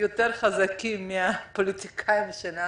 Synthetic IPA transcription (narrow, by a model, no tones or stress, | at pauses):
jot̪eʁχazakimːiapolitikʰaimʃana